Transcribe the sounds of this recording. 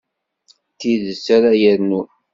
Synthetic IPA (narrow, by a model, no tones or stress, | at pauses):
t̪iðəsaɾajəɾnu